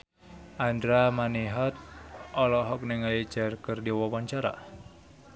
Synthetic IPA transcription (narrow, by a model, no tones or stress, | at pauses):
ʔandɾamaniɦɔt̪̚ɔlɔɦɔk̚nəŋalid͡ʒarkərdiwɔwaɲt͡ʃaɾa̰